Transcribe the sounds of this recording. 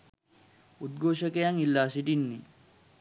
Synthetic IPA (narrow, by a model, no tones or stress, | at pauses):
ʔʊd̪̚ɡoːʃɐkɛjɐŋɪlːaːsɪd̪ɪnːɪ